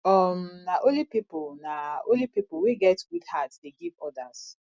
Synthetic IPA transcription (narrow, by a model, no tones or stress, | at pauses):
ɔmnaʔõlipipʊlnao̰lipipʊwiɡɛtɡudhatdeɡivɔdas